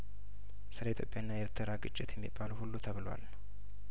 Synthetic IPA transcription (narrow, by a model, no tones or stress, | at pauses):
sɨləit̪ʰjo̞pʼjaɨnːajeɾt̪ʰəɾaɡʼɨt͡ʃʼːɪt̪ʰjɛmːḭbːaləhulːut̪ʰəβɨlwa̰lnəw